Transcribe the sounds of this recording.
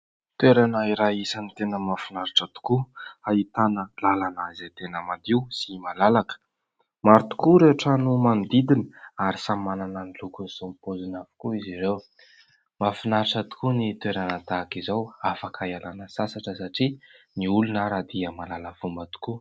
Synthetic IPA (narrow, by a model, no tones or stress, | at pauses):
t̪weɾanaiɾaisanit̪enəmafunaɾiʈ͡ʂat̪u̥kuait̪anəlalanazet̪enəmad̪iwsimalalakə̥ | maɾt̪u̥kuɾeʈ͡ʂanumand̪id̪inə̥aɾisamananənilukunisompozinafu̥kuiziɾew | mafinaɾiʈ͡ʂat̪u̥kunit̪weɾanəd̪akizawafakʰaialanəsasaʈ͡ʂəsaʈ͡ʂiniulunəɾad̪iəmalalavumbət̪u̥ku